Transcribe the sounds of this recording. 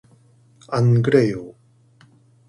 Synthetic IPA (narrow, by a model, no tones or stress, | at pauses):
aŋɡɯɾejo